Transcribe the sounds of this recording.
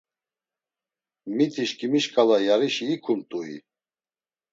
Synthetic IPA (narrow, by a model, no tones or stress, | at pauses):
mit̪ʰiʃkʼimiʃkʼalajaɾiʃiːkʰumt̪ʼuḭ